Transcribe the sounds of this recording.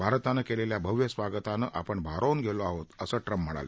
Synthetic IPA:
bʱaɾt̪anəkeleljabʱəʋjəsʋaɡət̪anəʔapəɳbʱaɾonɡʱeloaɦot̪əsəːʈɾəm̤ːəɽa̰lə̰

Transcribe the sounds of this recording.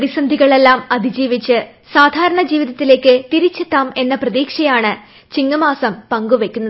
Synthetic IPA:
ɐɾisɐnd̪ʱiɣɐɭe̞lːaːmɐd̪ʱid͡ʑiːʋit͡ɕːɨ | saːd̪ʱaːɾɐɳɐd͡ʑiːʋiðɐt̪ːile̞ːkːɨt̪iɾit͡ɕːet̪ːaːme̞nːɐprɐðiːkʂɐjaːɳɨ | t͡ɕiŋːɐmaːsɐmpɐŋɡuʋe̞kʲːunːɐð

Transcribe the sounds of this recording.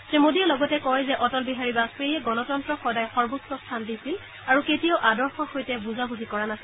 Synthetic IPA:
zemodijɛlɔɡɔtɛkɔjzɛʔɔtɔlbiɦaɹibaspejɛɡɔnɔtɔntɹɔxɔdajxɔɹbusɔstʰandisil | aɹuketijaʊʔadɔɹxɔxojtɛbuzabuzʱikɔɹanasill

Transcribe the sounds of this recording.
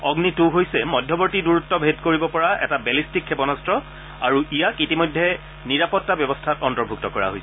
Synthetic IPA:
ɔɡnitʊɦojsɛmɔdʱjɔbɔɹtiduɹutːɔbʱedkoɹibɔpɔɹaʔɛ̰tabɛlistikʰːɛpɔnastɹɔ | a̰ɹuʔijakitimɔjdʱːɛ | niɹapɔtːabjɔbɔstʰatɔntɔɹbʱuk̚tɔkɔɹa̰ɦojsɛ

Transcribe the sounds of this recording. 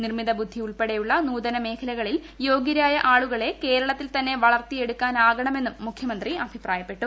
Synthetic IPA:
nirmiðɐbud̪ʱːiuɭpeɽejuɭːɐnuːd̪ɐnɐme̞ːkʰɐlɐɣɐɭil | jo̞ːɡɐɾaːjɐʔaːɭuɣɐɭe̞ke̞ːɾɐɭɐt̪ːilt̪ɐnːe̞ʋɐɭɐrt̪ije̞ɽukːaːnaːɣɐɳɐme̞nːumːukʰːjɐmɐnd̪riɐbʱipraːjɐpːe̞ʈːu

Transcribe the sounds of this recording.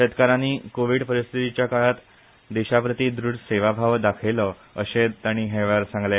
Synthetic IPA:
et̪kaɾaniːkoʋiɽpəɾist̪ʰit̪it͡ɕjakaɭat̪ | d̪eɕapɾət̪iːd̪ɾuɽseʋabʱaʋd̪akʰejlə | əɕet̪aɽ̃iːɦeʋaɾsãŋɡle

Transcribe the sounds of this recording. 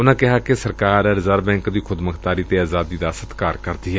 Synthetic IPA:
ʊnãːkɪɦaːkesəɾkaːɾɛɾɪzəɾbɛ̃ːŋkd̪iːkʰʊd̪məkʰt̪aːɾiːt̪eːaːzaːd̪iːd̪aːsət̪kaːɾkəɾd̪iːɦɛ

